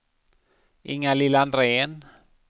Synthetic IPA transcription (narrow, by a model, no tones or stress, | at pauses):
ḭŋalilandrɛːn